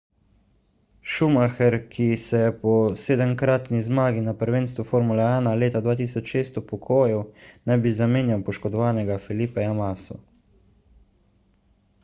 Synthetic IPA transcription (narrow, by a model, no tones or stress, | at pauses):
ʃumaxɛɾkʰisɛjɛpɔseːd̪əmkɾaːt̪nizmaːɡinapəɾʋeːnst̪ʋufoːɾmulɛaːnaleːt̪ad̪ʋaːt̪̬iːsɔt͡ʃʃeːst̪upɔkʰoːjɛwnɛbizameːnjawpɔʃkɔd̪ɔʋaːnɛɡafɛlipɛjamaːsɔ̰